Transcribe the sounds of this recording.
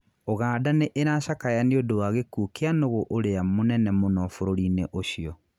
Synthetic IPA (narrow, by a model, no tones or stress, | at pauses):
oɣaːdaneʔeɾaːʃakajaneodowaɣekuːkeanoɣoʔoɾeamonɛnɛmonɔfoɾoɾineʔoɕiɔ